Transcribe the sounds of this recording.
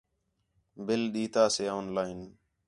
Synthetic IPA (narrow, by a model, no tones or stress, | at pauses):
bɪlɗiːt̪aːseːoːnlaːin